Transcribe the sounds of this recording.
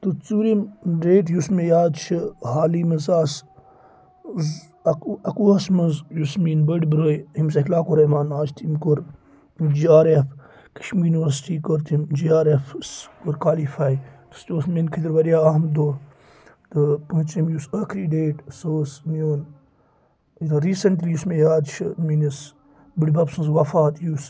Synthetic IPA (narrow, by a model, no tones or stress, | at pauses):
t̪ut͡suːɾimɖeːʈjusmejaːd̪t͡ʃʰihaːlimɐzaːs | z | ɐkɐkuːɐsmɐzjusmiːnbəɖbɾoːjhims̬ɐklaːkuɾɐmaːnaːt͡ʃt̪ʰimkoɾ | d͡ʒiːaːɾef | kɐ̥ʃmijuniʋɐɾsi̥ʈiːkoɾt̪ʰimd͡ʒiaːɾefskoɾkwaːlifaːjt̪u̥st͡ʃoːsmenkʰid̪iɾʋɐɾijaːamd̪oː | t̪ɨpuut͡ʃimjusɐkʰɾiɖeːʈsoːsmijoːn | ɾiːsɐɳʈliːjusmejaːd̪t͡ʃʰminis | bəɖbɐpsɐ̃nzwɐfaːt̪jus